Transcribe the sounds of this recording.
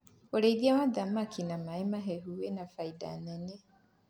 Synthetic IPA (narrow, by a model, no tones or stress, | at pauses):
oɾeiðiawaðamakʰinamaemaɦeɦuwenafaida̰nɛne